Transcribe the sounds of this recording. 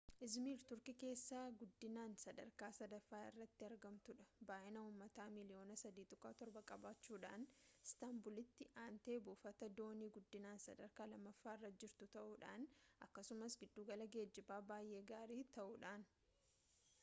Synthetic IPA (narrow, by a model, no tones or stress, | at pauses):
ʔɪzmiːɾt̪ʊɾkɪke̞ːsːaːɡʊd̪ːɪnaːnsɐd̪ɐ̰ɾkaːsɐd̪ɐfːaːɪ̰rːɐt̪ːɪɐɾɡɐmt̪ʊᶑɐbaːʔɪnɐuːmːɐt̪aːmɪlɪo̞ːnɐsɐd̪iːt̪ɔkʼːaːt̪ɔɾbɐkʼɐbaːt͡ʃːuːᶑa̰ːnɪst̪aːmbʊlɪt̪ːɪʔaːnt̪e̞ːbʊːfɐt̪ɐd̪o̞ːniːɡʊd̪ːɪnaːnsɐd̪ɐɾkaːlɐmːɐfːaːɪrːɐd͡ʒɪɾt̪ʊt̪ɐʔuːᶑa̰ːnʔɐkːɐsʊmɐsɡɪd̪ːuːɡɐlɐɡe̞ːd͡ʒːɪbaːbaːjʔe̞ːɡaːɾiːt̪ɐʔuːᶑaːn